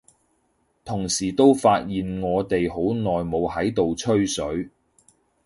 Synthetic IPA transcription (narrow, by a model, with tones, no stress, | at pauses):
t̪ʰʊ˨˩ŋsiː˨˩t̪o˥wfaː˧t̚jiː˨nŋɔː˨˧t̪e˨jho˨˥wnɔː˨jmo˨˧whɐ˨˥jt̪o˨wt͡ʃʰɵ˥ɥsɵ˨˥ɥ